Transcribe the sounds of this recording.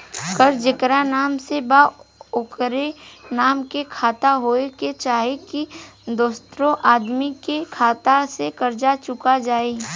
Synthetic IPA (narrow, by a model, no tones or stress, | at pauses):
kəɾd͡ʒɪkɾanaːmsebaʊkɾenaːmkekʰaːt̪aɦoːeket͡ʃaːɦekid̪oːst̪ɾõʔaːd̪mikekʰaːt̪asekɐɾd͡ʒat͡ʃʊkad͡ʒaːeː